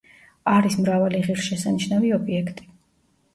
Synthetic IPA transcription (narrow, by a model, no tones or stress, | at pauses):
aɾismɾavaliʁiɾʃɛsaniʃnaviɔbiɛkʰt̪ʼi̥